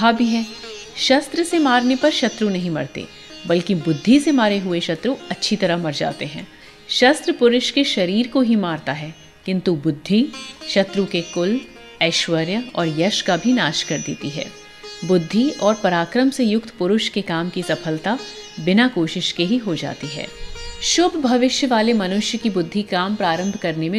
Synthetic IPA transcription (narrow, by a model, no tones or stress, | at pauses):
abʱiɦɛːʃɐst̪ɾəsemaːɾnepɐɾʃɐt̪ɾunɐɦĩmɐ̰ɽt̪ḛ | bɐlkibʊd̪ʱːisemaːɾeɦʊeʃɐt̪ɾuɐtːʃʰit̪ɐɾəɦmɐɾd͡ʒa̰ːt̪eɦɛ̃ː | ʃɐst̪ɾəpʊɾʊʃkeʃɐɾiːɾkoɦimaːɾt̪aɦɛː | kɪ̃nt̪ubʊd̪ʱːiʃɐt̪ɾukekʊl | ɛːʃʋəɾjəɔːɾjɐʃkabʱinaːʃkɐɾd̪ḛːt̪iɦɛ̰ː | bʊd̪ʱːiɔːɾpɐɾaːkɾəmsejʊk̚t̪pʊɾʊʃkekaːmkisɐfʰəlt̪a | bɪnakoːʃɪʃkeɦiɦod͡ʒa̰ːt̪iɦɛ̰ːʃʊbʱbʱɐʋɪʃjəʋaːlemɐnʊʃjəkibʊd̪ʱːikaːmpɾaːɾə̃mbʱkɐɾnemẽ